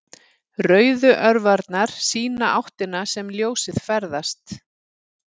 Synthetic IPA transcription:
rœːɥðʏʔœɾvaɾt̪naɾ̥siːnaʔawht̪ɪnasɛmljoːwsɪðfɛɾðast̪

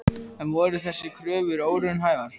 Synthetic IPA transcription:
ɛnvɔːɾʏθɛsːɪkʰɾœːvʏɾoːwɾʏnɦaːjvaɾ̥

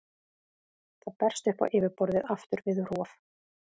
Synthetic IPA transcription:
θaðpɛr̥st̪ʏhpa̰wʔɪːvɪɾpɔɾðɪðaft̪ʏɾvɪðr̥ɔːf

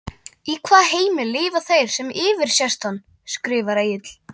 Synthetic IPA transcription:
ikʰvaːðheːjmɪlɪːvaθejɾ̥sɛmɪːvɪɾ̥sjɛst̪hanː | skɾɪːvaɾeːjɪt̪l̥

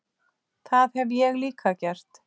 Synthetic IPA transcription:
θaðhɛvjɛɣliːkʰacɛr̥t̪

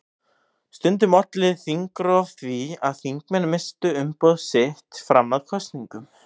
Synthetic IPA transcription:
st̪ʏnt̪ɪmɔt̪lɪðθiŋkɾɔvθvia̰ðθiŋkmɛnmɪst̪ʏʏmpɔwðsɪht̪fɾa̰mnaðkʰɔst̪niŋkʏm

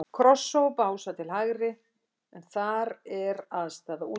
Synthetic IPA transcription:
kʰɾɔsːowpawsat̪ʰɪlɦaɣɾɪ | ɛnθaɾɛɾaðst̪aːðau

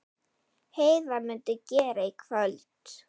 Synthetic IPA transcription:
heːjvamʏnt̪ʏcɛːɾaikʰvœlt̪

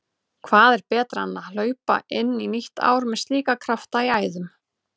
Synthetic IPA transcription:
kʰvaːðɛɾ̥pɛːt̪ɾaanːal̥œːɥpa̰ʔɪnːiniht̪a̰ːwɾmɛðst̪liːkakʰɾaft̪aiaːjðʏm

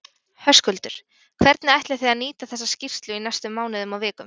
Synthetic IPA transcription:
hœskʏlt̪ʏɾ̥ | kʰvɛɾt̪nɪajht̪lɪ̥θijaðniːt̪aθɛsːascifst̪lʏinajst̪ʏmːaːwnɪðʏmawvɛːkʏm

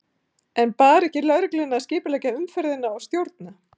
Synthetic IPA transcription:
ɛnpaːɾɛhcɪlœɣɾɪklɪnːaascɪːpɪlɛcaʏmfɛɾðɪnːaːwst̪jowɾt̪̚na

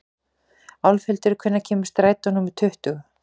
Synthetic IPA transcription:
awlfɛlt̪ɪɾkʰvʏnːacʰɛːmɪst̪ɾaːjt̪anuːmʏt̪ʰʏht̪ʏɣ

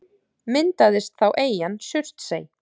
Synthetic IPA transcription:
mɪnt̪aðɪst̪θawʔeːjansʏr̥t̪seːj

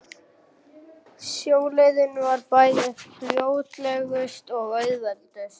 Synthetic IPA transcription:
sjoːwlɛðɪnʏvaɾpaːjðɪhɾjoːwt̪lɛɣʏst̪ɔɣœɥðalt̪eɥs

